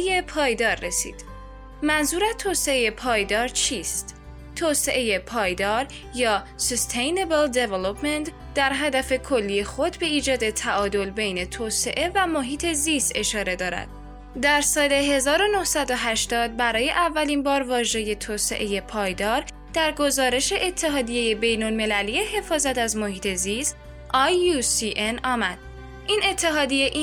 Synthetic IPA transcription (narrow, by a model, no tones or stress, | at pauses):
jepʰɒːjd̪ɒːɾːesḭːd̪̥ | mænzuːɾæt̪ʰoːse̞eje̞pʰɒːjd̪ɒːɾt͡ʃʰiːst̪ | t̪ʰoːse̞ʔe̞je̞pʰɒːjd̪ɒːɾ | jɒː | sost̪ʰejnebeld̪evelopʰment̪ | d̪æɾɦæd̪æfe̞kʰo̞lːijexo̞d̪be̞iːd͡ʒɒːd̪e̞t̪ʰæʔɒːd̪o̞lbe̞jne̞t̪ʰoːse̞ʔe̞væmoɦiːt̪ʰe̞zist̪e̞ʃɒːɾe̞d̪ɒːɾæ̰d̪̥ | d̪æɾsɒːle̞ɦe̞zɒːɾo̞nohsæd̪o̞ɦæʃt̪ɒːd̪̚bæɾɒːje̞ʔævːælinbɒːɾvɒːʒe̞je̞t̪ʰoːse̞̰ʔe̞je̞pʰɒːjd̪ɒːɾ | d̪̥æɾɡo̞zɒːɾe̞ʃe̞ʔet̪ʰːeɦɒːd̪ijeje̞be̞jnolme̞lælijeɦe̞fɒːzæt̪æzmohiːt̪ʰe̞zist̪ | ʔɒjusiʔenɒːmæd̪̥̚ | ʔine̞t̪ʰːe̞ɦɒːd̪ijeʔ